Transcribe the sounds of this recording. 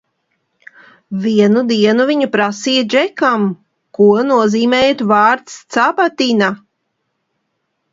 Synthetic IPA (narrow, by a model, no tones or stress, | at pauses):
viɛnud̪iɛnuviɲupɾasijad͡ʒɛkam | kuɔnuɔziːmɛːjat̪vɑːɾt̪st̪sabat̪ina